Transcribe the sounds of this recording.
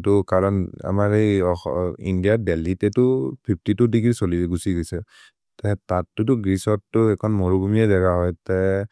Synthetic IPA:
tʊkaɹɔna̰maɹejɔḭndijabɛlitɛtʊpʰip̚ʰtitʊdiɡisoliɡusiɡɔjsɛ | tɛtatːʊtʊɡisɔtːʊɛkʰɔnmoɹuɡumiɛdɛɡaɦɔjtɛ

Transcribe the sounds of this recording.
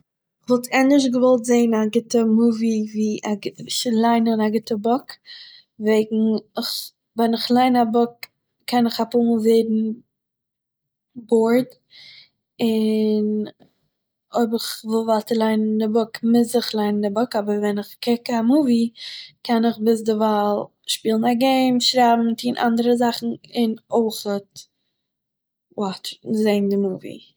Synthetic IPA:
ɪχvɔlˠtʰɛnɪʃ̬ɡəvɔlˠtzeɪnaɡɪtəmuviviːaʃlˠaɪnəʊnaɡɪtəbɔk | veɪɡŋ̩ɪχ | vɛnɪχlˠaɪnabɔk̚ | kʰːɛnɪχapumɔlˠveɪdn̩ | boɹd | ɪn | oɪbɪχvɪlˠvalˠtəlˠaɪnndɪbʊkmɪzɪχlˠaɪnndɪbɔkabəɾvɛnɪχkɪkamuvikʰɛnɪχbɪs̬dɪvalˠ | ʃpiːlˠn̩aɡeɪmʃɾabm̩tʰiːnʔa̰ndəɾəzaχn̩ɪnoɪχət̚ | wɔtzeɪndɪmuvḭ

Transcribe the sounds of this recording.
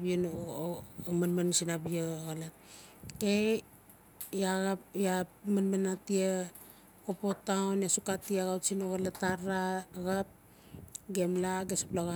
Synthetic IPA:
bion | manmansinabioɣalat | ke | aɣajamanmanatia | kopotaonjasukatiaɣawtsinoɣalataɾaɣap̚ | ɡemlaɡesu̥plaɣa

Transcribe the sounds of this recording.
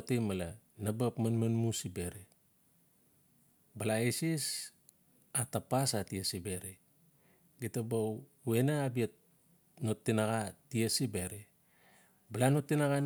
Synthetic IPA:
temala | nabapmanmanmusibeɾe | balaisis | atapasatiesibeɾe | ɡitabaw | uenaabiet̚ | notːinaɡatiesibeɾe | balanotːinaɣan

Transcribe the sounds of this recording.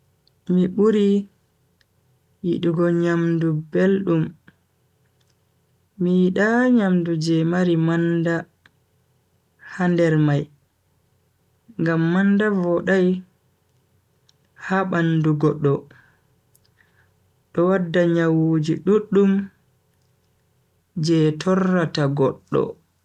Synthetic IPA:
miɓuɾi | jiɗuɡɔɲamdubelɗum | ijiɗaɲamdud͡ʒɛmaɾimanda | handɛɾmaj | ŋɡamːandavɔɗaj | haɓanduɡɔɗːɔ | ɗɔwadːaɲawud͡ʒiɗuɗːum | d͡ʒɛtʰɔrːataɡɔɗːɔ̰

